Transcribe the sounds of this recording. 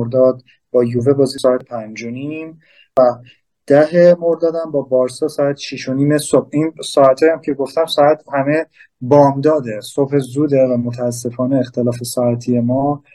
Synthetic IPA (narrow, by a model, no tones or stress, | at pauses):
oɾd̪ɒːd̪̚ | b̥ɒːjuːve̞bɒːzisɒːæt̪ʰpʰænd͡ʒo̞nim | væ | d̪̥æɦe̞mo̞ɾd̪ɒːd̪æmbɒːbɒːɾsɒːsɒːæt̪ʰʃiʃo̞niːmesob̥̚insɒːæt̪ʰɒjæmcʰe̞ɡo̞ft̪æmsɒːæt̪ʰhæme̞ | bɒːmd̪ɒːd̪e̞so̞bhezuːd̪e̞væmot̪ʰæːs̬ːe̞fɒːne̞ːxt̪ʰelɒːfe̞sɒːæt̪ʰije̞mɒː